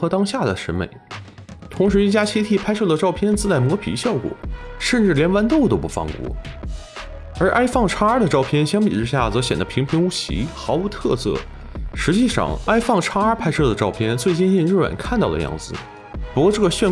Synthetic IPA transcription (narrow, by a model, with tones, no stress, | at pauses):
ɤ˧˥t̪ɑ˥ŋɕja˥˩d̪ə˩ʂɻ̩˧˥mḛ˧˩ɪt̪ʰʊ˧˥ŋʂɻ̩˧˥i˥˩t͡ɕja˥t͡ɕʰi˥t̪ʰi˥˩pʰa˥ɪʂɤ˥˩d̪ə˩ʈ͡ʂɑ˥˧ʊpʰjɛ˥nt͡sɹ̩˥˧t͡sa˥˩ɪmwɔ˧˥pʰḭ˧˥ɕjɑ˥˩ʊkwɔ̰˨˩˦ʂə˥˧nʈ͡ʂɻ̩˥˩ljɛ˧˥nwa˧˥nt̪o˥˩ʊt̪o˥ʊpu˧˩fɑ̰˥˧˩ŋkwɔ̰˧˥ | ə˞˧˥ʔa˥ɪfɑ˥˧ŋʈ͡ʂʰa˥ə˞˥d̪ə˨ʈ͡ʂɑ˥˧ʊpʰjɛ˥˧nɕjɑ˥ŋpḭ˨˩ʈ͡ʂɻ̩˥ɕja˥˩t͡sɤ˧˥ɕjɛ˨˩nd̪ə˦pʰi˧˥ŋpʰi˧˥ŋu˥ɕḭ˧˥xɑ˧˥ʊu˧˥t̪ʰɤ˥˧sɤ̰˥˩ | ʂɻ̩˧˥t͡ɕi˥˧ʂɑ̰˧ŋa˥ɪfɑ˥˩ŋʈ͡ʂʰa˥ə˞˥pʰa˥ɪʂɤ˥˩d̪ə˩ʈ͡ʂɑ˥˩ʊpʰjɛ˥nt͡swe˥˧ɪt͡ɕi˥˧ni˥˧nɻ̩˥˩ɻwa̰˨˩nkʰa˥˧nt̪ɑ˥˩ʊd̪ə̰˧jɑ̰˥˩ŋd͡zɹ̩˩ | pu˧˥kwɔ˥˧ʈ͡ʂɤ˥˩ɡə˩ɕɥɛ˥˧